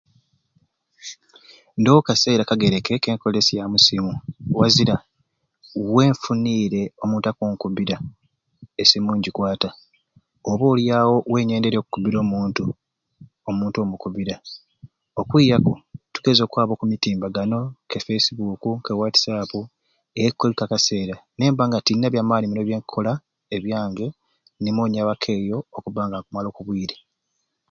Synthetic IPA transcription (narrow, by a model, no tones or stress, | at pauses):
ndowukase̞ːɾakaɡe̞ɾeke̞ke̞ːŋko̞le̞sjamusimuwaziɾa | we̞ːɱfuniːɾe̞o̞muːntakuːŋkuβiɾa | esimuːɲɟikwaːta | oβoːljaːwo̞we̞ːɲe̞ːnde̞ɾoku̥kuβiɾo̞ːmuːntu | omuːnto̞mukuβiɾa | okwiːjakotu̥ɡe̞zo̞ːkwaːβo̞kumitiːmbaɡano̞kefesiβukukewati̥sapu | eekːolikakase̞ːɾane̞ːmbaːŋɡatinːaβjaːmaːniminoβjeːŋkʰo̞la | eβjaːŋɡe̞ | nimoːɲaβakʰe̞ːjo̞ːkuβaːŋɡakumalo̞ːkuβwiːɾe